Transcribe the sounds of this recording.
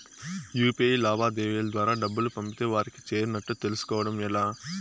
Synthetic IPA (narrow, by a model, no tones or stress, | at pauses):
juːpelaːbaːd̪eːʋeːlɐd̪ʋaːɾaːɖɐbːulupɐmpit̪eːʋaːɾiki̥t͡ʃe̞ːɾunɐʈːut̪e̞lusu̥kɔːʋɐɽɐmɛlaː